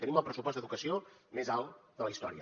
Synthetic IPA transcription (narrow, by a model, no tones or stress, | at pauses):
t̪əniməlˠpɾəsupɔzd̪əðukəsiomezalˠd̪ələist̪ɔɾiə